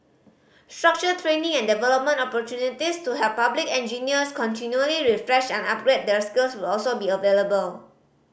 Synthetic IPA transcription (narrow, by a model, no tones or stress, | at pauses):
stɹak̚t͡ʃətʰɹẽnĩŋɛ̃ndɛvɛlɔp̚mə̃ntɔpɔtjunitistuɦɛv̥pablikɛ̃nd͡ʒiniəskʰɔ̃ntinjuəliɹifɹɛʃɛ̃nap̚ɡɹet̚dɛɹskilswɪlɔlsobiəveləbəl